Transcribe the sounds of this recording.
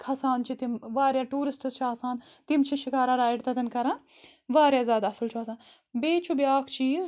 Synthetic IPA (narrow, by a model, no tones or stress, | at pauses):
kʰɐsaːnt͡ʃʰit̪imʋaːɾʲjaʈuːɾisʈɐst͡ʃʰiaːsaːn | t̪imt͡ʃʰiʃikaːɾaɾaːiɖt̪ɐd̪ɐnkɐɾãː | ʋaːɾʲjazʲaːd̪ɐsɐlt͡ʃʰuɐsaːn | beːt͡ʃʰubjaːkʰt͡ʃiːz